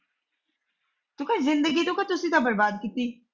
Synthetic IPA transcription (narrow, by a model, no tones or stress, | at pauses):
t̪ʊkazɪnd̪əɡiːt̪õːkat̪ʊsĩːd̪ãːbəɾbaːd̪̚kiːt̪iː